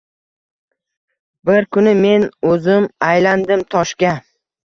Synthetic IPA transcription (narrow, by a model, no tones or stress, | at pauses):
bɪɾkʰʊnɪme̞nɵzɪmajland̪ɪmt̪ʰɒʃkʲa